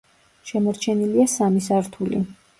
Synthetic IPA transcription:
ʃɛmɔɾt͡ʃʰɛniliasamisaɾt̪ʰulḭ

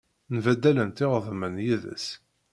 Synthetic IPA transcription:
nvæd̪ːælənt̪ɪʁəðˤmənjiðə̰s

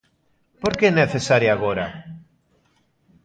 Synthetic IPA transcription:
poɾkeneθesaɾjaɣoɾa

